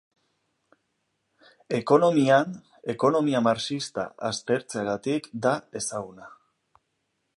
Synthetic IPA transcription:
e̞ko̞no̞mian | e̞ko̞no̞miamaɾsist̪a̰ast̪e̞ɾt͡seaɣat̪ikd̪ae̞saɣuna

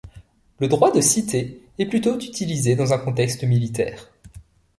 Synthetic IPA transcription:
ləd̪ʁwad̪əsit̪e | ɛplyt̪ot̪yt̪ilized̪ɑ̃zɛ̃kɔ̃t̪ɛkst̪milit̪ɛ̰ːʁ

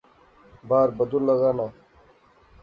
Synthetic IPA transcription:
baːɾbəd̪ulːəɣaːnaː

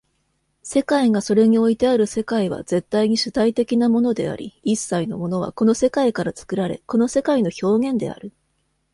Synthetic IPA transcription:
se̞kaiŋaso̞ɾe̞ɲ̟io̞it̪e̞aɾɯ̟se̞kaiβa̰ze̞t̪ːaiɲ̟iɕɨt̪ait̪e̞kʲinamo̞no̞d̪e̞̰a̰ɾʲḭisːaino̞mo̞no̞β̞a̰ko̞no̞se̞kaikaɾat͡sɨ̥kɯ̟ɾaɾe̞̰ko̞no̞se̞kaino̞ço̞ːɡẽ̞nd̪e̞̰a̰ɾɯ̟

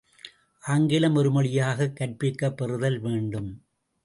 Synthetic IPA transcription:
ʔaːŋɡɪlɐmɔɾɯmɐɭɪjaːɣɐkːɐʈ̚pɪkːɐpːɛɾɯðɐlʋeːɳɖɯm

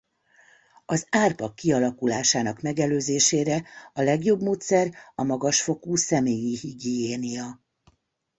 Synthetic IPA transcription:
ɒzaːrpɒkːiɒlɒkulaːʃaːnɒkmɛɡɛløːzeːʃeːɾɛɒlɛɡjo̞bmoːt̪sɛrɒmɒɡɒʃfo̞kuːsɛmeːjihiɡijeːnijɒ

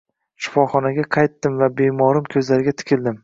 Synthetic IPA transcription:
ʃʊ̥fɒχɒnaɡʲaqʰɑjt̪ːɪmvabemɒɾɪmkʲʰɵzlaɾɪɡʲat̪ʰɪ̥kʲɪld̪ɪm

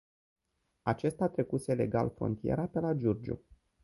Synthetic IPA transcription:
at͡ʃe̞st̪at̪ɾe̞kuse̞le̞̰ɡa̰lfɾo̞̰nt̪ije̞̰ɾape̞lad͡ʒord͡ʒṵ

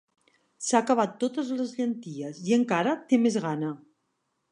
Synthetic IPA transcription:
sakəβ̞at̪ːot̪əzləzʎənt̪iəziəŋkaɾət̪emezɣanə

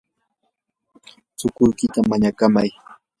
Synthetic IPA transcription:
t͡sʊkʊjkɪt̪amaɲakamaj

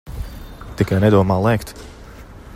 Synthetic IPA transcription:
t̪ikajnɛd̪uɔmaːlˠɛjkt̪

